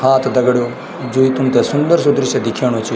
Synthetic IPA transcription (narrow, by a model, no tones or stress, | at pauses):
haːt̪ʰd̪ɐɡɽjoː | d͡ʒoːit̪ʊmt̪ɛsʊnd̪əɾsʊd̪ɾised̪ɪkʰeːɽ̃ot͡ʃʰi